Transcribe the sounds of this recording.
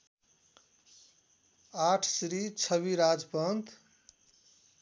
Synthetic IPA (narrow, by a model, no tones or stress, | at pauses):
aʈʰsɾit͡sʰʌβiɾad͡zpʌnt̪